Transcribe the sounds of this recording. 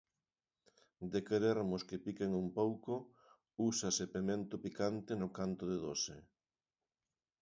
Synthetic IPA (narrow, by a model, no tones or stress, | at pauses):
d̪ekeɾeɾmʊskepikeŋumpowkʊ | usasepemẽnt̪ʊpikant̪ɪnʊkant̪ʊðeðose